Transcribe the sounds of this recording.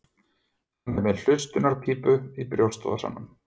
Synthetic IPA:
hanːɛɾmɛðl̥ʏst̪ʏnaɾ̥pʰiːpʏipɾjowst̪ɔ̰ða̰sa̰nːʏm

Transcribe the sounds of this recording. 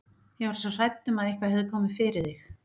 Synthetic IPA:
jɛvaɾsɔr̥ajt̪ːʏmaðihkvaðhɛðʏkʰɔːmɪfɪɾɪðɪx

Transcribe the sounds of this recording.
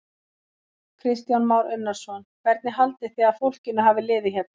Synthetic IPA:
kʰɾɪst̪janmaːwɾʏnːaɾ̥sɔnvɛɾt̪nɪɦalt̪ɪθiːaðfowl̥cɪnːʏɦaːvɪlɪːðɪçɛp̪̚n

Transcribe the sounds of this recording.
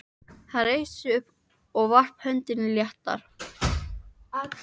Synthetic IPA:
θareːjsʏʏhp | ɔɣvar̥phœnt̪ɪnɪljɛht̪a̰ɾ̥

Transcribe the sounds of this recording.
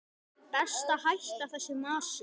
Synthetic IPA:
pɛst̪ahajht̪awθɛsːɪmaːsʏ

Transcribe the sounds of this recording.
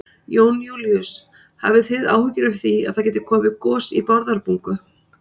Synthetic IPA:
joːwnjuːljʏs | ha̰vɪθɪða̰ːwhʏcɪɾʏfθia̰ðθacɛːt̪ɪkʰɔːmvɪkɔːsḭpɔɾðaɾpuŋkʏ

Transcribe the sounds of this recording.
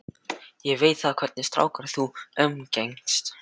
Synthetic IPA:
jɛveːjt̪θaðkʰv̥ɛɾt̪nɪst̪ɾa̰ːwkaɾθuœmcejŋst̪

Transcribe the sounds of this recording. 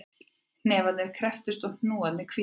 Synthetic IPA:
nnɛːvat̪nɛɾ̥kʰɾɛft̪ʏst̪ɔwn̥nuːat̪nɪkʰvi

